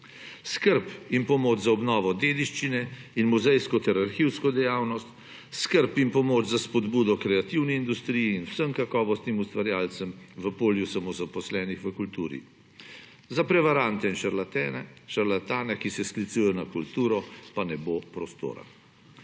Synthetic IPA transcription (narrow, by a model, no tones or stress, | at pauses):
skəɾpinpɔmoːd͡ʒzaɔbnɔːʋɔd̪eːd̪iʃt͡ʃinɛinmuzɛjskɔt̪ɛɾaɾxiwskɔd̪ɛjaːwnɔst̪ | skəɾpinpɔmoːt͡ʃzaspɔd̪buːd̪ɔkɾɛat̪iwnɛind̪ust̪ɾiːjiːnwsəmkakɔːʋɔst̪nimust̪ʋaɾjaːlt̪səmʋəpoːljusamɔzapɔslɛːnixʋəkult̪uːɾḭ | zapɾɛʋaɾant̪ɛinʃaɾlat̪ɛnɛʃaɾlat̪aːnɛkisɛsklit̪sujɛnakult̪uːɾɔpanɛbopɾɔst̪o̰ːɾa̰